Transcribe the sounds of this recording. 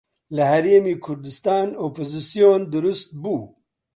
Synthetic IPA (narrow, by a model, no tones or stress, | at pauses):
ləhɐɾeːmiːkʰʊɾd̪ɪst̪ɑːnopozisijoːnd̪ʊɾust̪̚buː